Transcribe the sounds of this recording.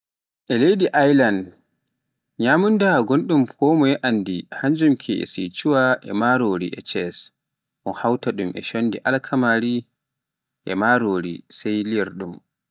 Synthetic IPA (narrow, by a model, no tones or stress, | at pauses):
ʔɛlejdiʔajland | ɲamundaɡonɗumkʰɔmɔjɛʔandihaɲd͡ʒumkʰiɛ̰sḭt͡ʃuwaʔɛmaɾoːɾḭʔɛ̰t͡ʃɛs | ʔɔnhawtaɗumɛ̰ʃonːdiʔalkʰamaɾi | ʔɛ̰maɾoːɾḭsɛjliɾɗum